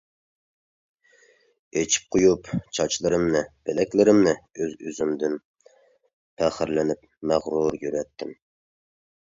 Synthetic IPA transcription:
et͡ʃʰi̥p̚qʰojupt͡ʃʰɑt͡ʃʰlˠɨɾɨmnɪbɪlɛkʲlɪɾɪmnɪøzy̰zymd̪ɪn | pʰæχɪɾlɪnɪp̚ | mæʁɾuɾjyɾɛt̪ʰːɪm

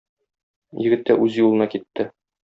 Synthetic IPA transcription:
jɘ̆ɡɘ̆t̪ːæʔʉzɘjulˠɤ̆nɑkit̪ːɘ

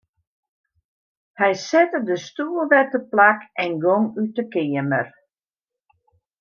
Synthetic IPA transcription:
hɛjsɛtədəstuːəlˠʋɛtəplakɛnɡoŋytəkɪəmər

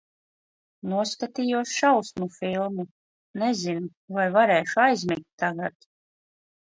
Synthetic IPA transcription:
nuɔskat̪iːjuɔʃʃawsmufilˠmu | nɛzinu | vajvaɾɛːʃuajzʲmik̚t̪ːaɡat̪

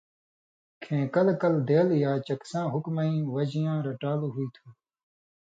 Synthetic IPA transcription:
kʰẽːkɐlkɐld̪eːljaːt͡ɕɐksãːɦʊkmɐĩːwɐd͡ʑijãːɾɐʈaːluɦuiːt̪ʰũː

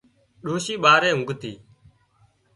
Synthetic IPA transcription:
ɗoːʃiːɓaːɾẽːɦʊɡt̪iː

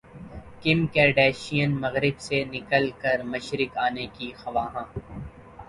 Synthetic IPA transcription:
kɪmkɛːɾɖɛːʃijənmɐɣɾɪbsenɪkəlkɐɾmɐʃɾɪkaːnekixɐʋaːɦãː

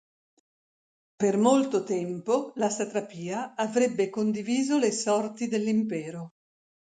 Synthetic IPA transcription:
permolt̪ot̪ɛmpolasat̪ɾapiːaavɾɛbːekond̪iviːzolesɔrt̪id̪elːimpɛːɾo

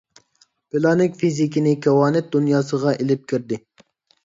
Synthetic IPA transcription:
pɪlɑnɪkfizik̬inɪkʰawɑːnɪt̪̚d̪unjɑːsəʁɑʔɪlɪp̚kʲʰɪɾd̪ɪ

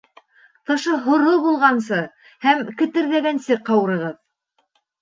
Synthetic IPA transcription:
t̪ɤ̆ʃɤɦŏɾobulˠʁɑnsɤ | hæmkɘ̆t̪ɘ̆ɾðæɡænsɘqɑwɾɤ̆ʁɤð

